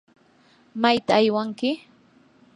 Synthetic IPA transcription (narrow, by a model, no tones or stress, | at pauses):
majt̪aːjwaŋkɪ